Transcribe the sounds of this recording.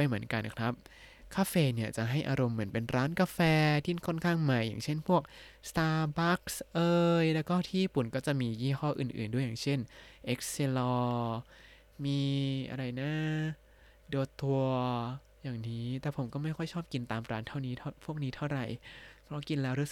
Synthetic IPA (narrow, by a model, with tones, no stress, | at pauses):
a˧jmɯ˩˦ənka˧nkʰɾa˦˥p̚ | kʰaː˧feː˧ni˥˩ɐt͡ɕa˨˩ɦa˥˩jʔaː˧ɾo˧mːɯ˩˦ənpe˧nɾaː˦˥nka˧fɛː˧t̪ʰi˥˩kʰo˥˩nkʰaː˥˩ŋma˦˥jːa̰ː˨˩ŋt͡ɕʰe˥˩npʰu˥˩ək̚st̪aː˧ba˦˥k̚sʔɤː˧jlɛː˦˥wkɔː˥˩t̪ʰiː˥˩i˧˩pu˨˩nkɔː˥˩t͡ɕa˨˩ʔmiː˧jiː˥˩kʰɔː˥˩ʔɯː˨˩nʔɯː˨˩ndu˥˩əjaː˨˩ŋt͡ɕʰe˥˩nʔe˦˥k̚se˧lɔː˧ | miː˧ʔa̰˧ɾa˧jnaː˥˩ | doː˧t̪u˧ɐ | jaː˨˩ŋniː˦˥t̪ɛː˨˩pʰo˩˦mkɔː˥˩ma˥˩jkʰɔ˥˩jt͡ɕʰɔː˥˩p̚ki˧nt̪aː˧mɾaː˦˥nt̪ʰa˥˩wniː˦˥t̪ʰa˥˩pʰu˥˩ək̚niː˦˥t̪ʰa˥˩wɾa˧jpʰɾɔ˦˥˩ki˧nlɛː˦˥wɾu˦˥˨